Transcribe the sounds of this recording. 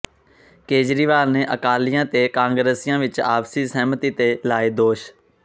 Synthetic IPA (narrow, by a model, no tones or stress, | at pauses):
keːd͡ʒɾiːʋaːlneːʔəkaːlɪjãːt̪eːkãːŋɡɾeːsɪjãːʋɪt͡ʃa̰ːpsiːsɛːmət̪iːt̪eːlaːeːd̪oːʃ